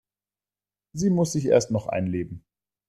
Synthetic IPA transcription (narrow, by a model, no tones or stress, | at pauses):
ziːmʊsz̥ɪçʔḛːɐstnɔχʔa̰ɪnleːbm̩